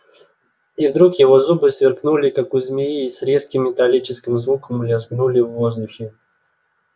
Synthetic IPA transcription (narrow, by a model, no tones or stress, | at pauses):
ivd̪ɾukjɪvo̞zubɨsvʲɪrknulʲɪkakʊzʲmʲɪjiːsɾʲe̞skʲɪmːʲɪt̪alʲit͡ɕɪskʲɪmzvukəmlʲɪzɡnulʲɪvːozd̪ʊxʲɪ